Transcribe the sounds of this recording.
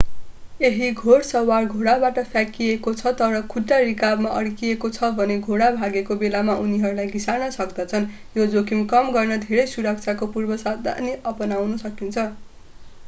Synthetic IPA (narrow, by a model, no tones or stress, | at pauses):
eɦiɡʱoɽsʌwarɡʱoɽabaʈʌpʰjakiekot͡sʰʌt̪ʌɾʌkʰuʈːarikabmaʔʌɽkiekot͡sʰʌbʱʌneɡʱoɽabʱaɡekobelamaʔuniɦʌɾulajɡisarnʌsʌkd̪ʌt͡sʰʌn | jod͡zokʰimkʌmɡʌrnʌd̪ʱeɾʌjsuɾʌk̚t͡sʰakopurbʌsad̪a̰neʔʌpʌnawnʌsʌkint͡sʰʌ